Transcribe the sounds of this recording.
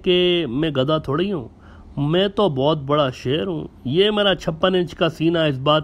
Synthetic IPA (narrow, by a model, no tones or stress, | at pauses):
kemɛ̃ɡɐd̪at̪ʰoːɽiɦṵ̃ː | mɛ̃ːt̪obɔːt̪̚bɐɽaʃeːɾɦṵ̃ːjeːmeːɾat͡ʃʰɐpːənɪ̃nt͡ʃkasiːnaɪs̬baːt̪